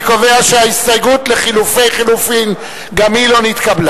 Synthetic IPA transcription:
kove̞aʃeaistajɡutle̞χilufe̞jχilufim | ɡamilo̞nit̪kabla

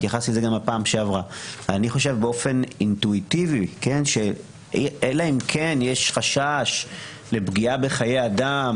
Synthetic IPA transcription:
jaχasilzeɡamapaːmʃeavʁaveaniχo̞ʃe̞vbeo̞fe̞nint̪uitivike̞nʃe̞ | elaimkʰenjeʃχaʃaʃ | le̞bɡiabeχaje̞jadam

